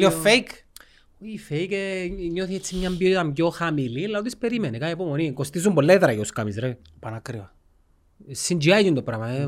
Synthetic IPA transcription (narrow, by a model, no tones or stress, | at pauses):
iofejk | oifejkeɲːoθiet͡sːimɲambiot̪amɟoxamililːaot̪ispeɾimenikaepomonikost̪is̬umbolːeðɾajoskamizɾei | panakɾia | sind͡ʒiajc̪ind̪opɾaːma